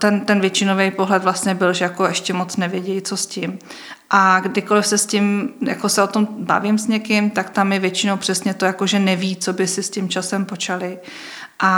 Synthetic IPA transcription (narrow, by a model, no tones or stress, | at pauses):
t̪ɛnt̪ɛnvjɛt͡ʃɪno̞vɛjpo̞ɦlɛt̪vlast̪ɲɛbɪlʒɛjako̞ɛʃcɛmo̞t͡snɛvjɛɟɛjt͡so̞scɪm | ʔaɡdɪko̞lɪfsɛscɪmja̰kosɛot̪o̞mba̰vɪmsɲɛkɪmt̪akt̪amjɛvjɛt͡ʃɪnowpr̥ɛsɲɛt̪o̞jako̞ʒɛnɛviːt͡so̞bɪsɪscɪmt͡ʃasɛmpot͡ʃalɪ | ʔa